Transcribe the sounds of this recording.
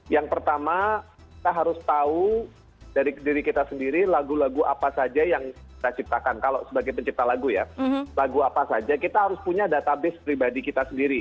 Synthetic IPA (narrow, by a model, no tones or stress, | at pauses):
jaŋpərt̪ama | ki̥t̪aɦaɾʊst̪au | daɾidiɾikit̪asəndiɾilaɡulaɡuʔa̰pasad͡ʒajaŋkit̪at͡ʃip̚t̪akankalosəbaɡajpəɲt͡ʃip̚t̪alaɡuja̰laɡuapasad͡ʒakit̪aɦaɾʊspuɲadat̪abɪspɾibadikit̪asəndiɾi